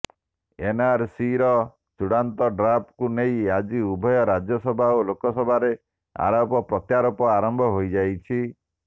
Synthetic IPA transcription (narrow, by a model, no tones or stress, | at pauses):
enaɾsiɾɔ | t͡ʃuɽant̪ɔɖɾapkunejad͡ʒiubʱɔjɔɾad͡ʒjɔsɔbʱaolokɔsɔbʱaɾe | a̰ɾɔpɔpɾɔt̪jaɾɔpɔaɾɔmbʱɔɦojd͡ʒajt͡ʃʰi